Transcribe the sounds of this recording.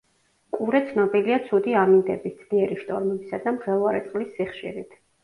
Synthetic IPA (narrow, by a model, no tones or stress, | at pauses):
kʼuɾɛt̪sʰnɔbiliat̪sʰud̪iamind̪ɛ̰bitd̪z̥d̪iɛɾiʃt̪ʼɔɾmɛbisad̪amχɛlˠvaɾɛt̪sʼlisːiχʃḭɾit̪ʰ